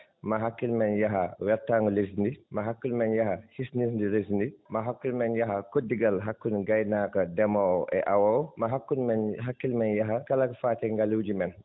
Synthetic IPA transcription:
mɐɦakːilmɛnjaɦawɛɾtaŋɡules̬ndimaɦakːulmɛnjahahisnis̬ndiles̬ndimaɦakːilmɛnjaɦakodːiɡɐlɦakːunɡajnaːkɐdɛmɔɛ̰ʔawawmɐɦakːunmɛnɦakːilmɛnjaɦakɐlakfaːtɛŋɡaluwd͡ʒimɛn

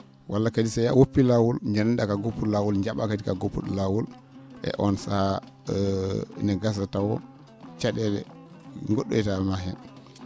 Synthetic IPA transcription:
wʔalːakadisajawopːilawulɲd͡ʒanɛndakaɡopːulawulɲd͡ʒaɓakadikaɡopːuɗlawul | ʔɛ̰ʔɔnsa | nɛɡas̬atawɔ̰ | t͡ʃaɗɛlɛ̰ | ŋɡoɗːo̰jtamaɦɛn

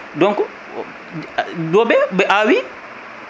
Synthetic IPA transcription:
dɔŋkɔ | dɔbɛbɛʔawi

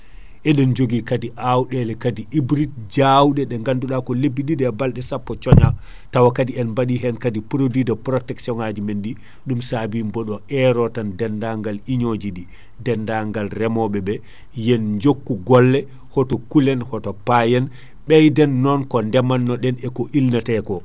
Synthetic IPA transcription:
ʔɛɗɛnd͡ʒoɡikadiʔawɗɛlɛkadiibɾit̚d͡ʒawɗɛɗɛŋɡanduɗakɔlebːiɗidɛbalɗɛsapːɔt͡ʃɔɲa | tawakadiɛnmbaɗiɦɛnkadipɾodidapɾɔtɛksiɔŋad͡ʒimenɗi | ɗumsabimbɔɗɔʔɛɾɔtandɛndaŋɡaliɲod͡ʒiɗi | dɛndaŋɡalrɛmɔɓɛbɛ | jɛnɲd͡ʒokːuɡɔlːɛ | hɔtɔkulɛnhɔtɔpajɛn | ɓɛjdɛnːɔnkɔndɛmanːɔɗɛnɛkɔʔilnatɛkɔ

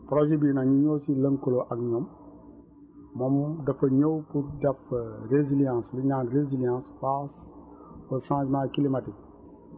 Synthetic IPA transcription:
pɾoʒebinaɲuɲoːsilɐŋkuloʔakɲom | momdɐfɐɲowpuɾdɐfɾezilijãːsliɲãːnɾezilijãːnsfas | fosãːsmakilimatik̚

